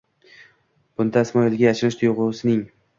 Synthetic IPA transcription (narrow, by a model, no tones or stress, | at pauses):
b̥ʊnd̪aɪsmɒɪlɡʲajaʃɪlɪʃt̪ʰʊjʁʊsɪnɪŋ